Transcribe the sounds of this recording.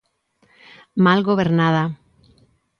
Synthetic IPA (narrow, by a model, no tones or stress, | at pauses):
malɣoβ̞eɾnað̞a